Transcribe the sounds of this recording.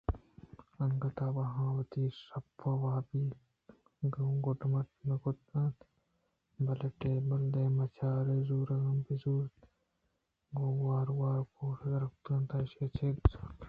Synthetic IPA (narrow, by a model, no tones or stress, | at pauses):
ɐŋɡɐt̪aːbɐɦãːwɐt̪iːsɐpːɐwaːbi | ɡɐɡoʈmɐʈmɐkot̪ɐ̃ːt̪ | bɐlɐʈeːbɐld̪eːmɐt͡ʃʰaːɾezuːɾɐɡɐmpizuːɾt̪ | ɡowaːɾwaːɾkoːsɐɾɐk̚t̪ɐ̃nt̪ɐʃeːt͡ʃʰe